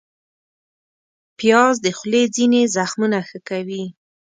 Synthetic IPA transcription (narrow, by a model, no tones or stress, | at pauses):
pjɑzd̪əxled͡zinezaxmunaxəkawi